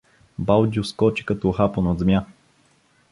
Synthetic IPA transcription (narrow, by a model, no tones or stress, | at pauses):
balˠd͡ʒuskɔt͡ʃi̥kɐt̪ɔxaponod̪zmʲja